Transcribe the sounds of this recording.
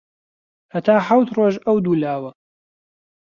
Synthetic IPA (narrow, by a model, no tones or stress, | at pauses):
hɐt̪ʰaːħawt̪roːʒɐwd̪uːlaːwɐ